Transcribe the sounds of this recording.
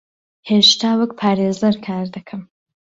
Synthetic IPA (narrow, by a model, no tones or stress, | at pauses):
heːʃt̪ʰaːwək̚pʰaːɾeːzɐɾkʰaːɾd̪ɐkʰɐm